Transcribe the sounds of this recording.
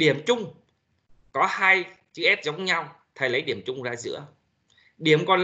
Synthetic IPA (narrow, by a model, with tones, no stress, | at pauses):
ɗi˧˩əmt͡ɕʊ˧ŋ͡m | kɔ˨˦haː˧j | t͡ɕɨ˧˥ʔɛ˦˥p̚zə˨˦wŋ͡mɲa˧w | t̪ʰə˨˩jlə˨˦jɗi˧˩əmt͡ɕʊ˧ŋ͡mzaː˧zɨ̰˧˥ə | ɗi˧˩əmkɔ˨˩n